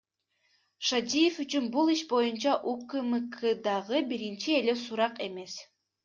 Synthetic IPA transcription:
ʃad̪ijefyt͡ʃynbulˠiʃbo̞junt͡ʃɑʔukɯmɯkʰɯd̪ɑʁɯbiɾint͡ʃie̞le̞suɾɑqe̞me̞s

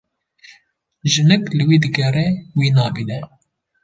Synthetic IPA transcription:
ʒɨnɨklɨwiːd̪ɨɡɛrɛwiːnɑːbid̪ɛ

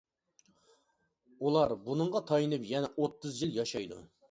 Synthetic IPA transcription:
ulˠɑɾbunɨɴʁɑt̪ʰɑjinɨpjɛnɛʔot̪ʰːɨzjilˠjɑʃɑjd̪ṵ

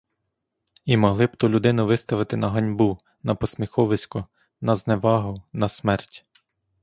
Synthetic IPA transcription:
imɔɦlˠɪbt̪ulʲʊd̪ɪnʊʋɪst̪ɐʋɪt̪ɪnɐɦɐnʲbu | nɐpɔsmʲixɔʋɪsʲkʊ | nɐzneʋɑɦʊwnɐsmɛrtʲ

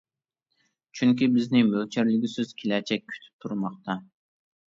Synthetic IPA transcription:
t͡ʃʰyŋkʲibɪznɪmølt͡ʃʰæɾlɪɡʲisøz̥kʲʰelɛt͡ʃʰɛkʲʰːy̥t̪ʰy̥p̚t̪ʰuɾmɑqt̪ʰɑ

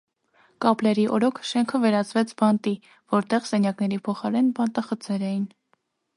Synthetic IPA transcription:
kɑplɛɾiʔɔɾɔkʰʃɛŋkʰəvɛɾɑt͡svɛt͡sʰbɑnt̪i | vɔɾt̪ɛʁsɛnjɑknɛɾipʰɔχɑɾɛnbɑnt̪ɑχət͡sɛɾɛjin

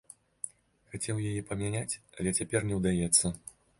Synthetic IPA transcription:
xat͡sʲɛwjajɛpɐmʲanʲat͡sʲɐlʲɛt͡sʲapʲɛrnʲɛwd̪ajɛt̪sːɐ

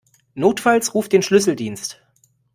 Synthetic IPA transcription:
noːtfalsʁuːft̚d̥eːnʃlʏsl̩diːnst

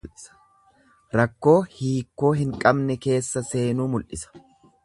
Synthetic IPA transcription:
ɾɐkːo̞ːhiːkːo̞ːɦɪŋkʼɐbnɛke̞ːsːɐse̞ːnuːmʊlʔɪsɐ̥

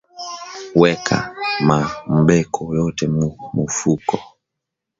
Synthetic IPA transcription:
wɛkʰa̰mam̩ɓɛkʰɔjɔtɛmumufukɔ

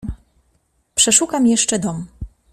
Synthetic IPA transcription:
pʂɛʂukamjɛʂt͡ʂɛd̪ɔm

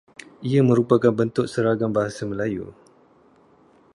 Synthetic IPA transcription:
iamə̃ɾupakanbənt̪ʊk̚səɾaɡambaɦasamə̃lajṵ

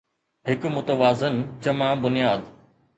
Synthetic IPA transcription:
ɦɪkmʊt̪əʋaːzɪnd͡ʑɐmãbʊnijaːd̪

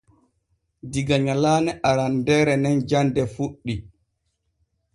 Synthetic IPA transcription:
diɡaɲalaːnɛʔaɾandɛːɾɛnɛnd͡ʒandɛfuɗːi

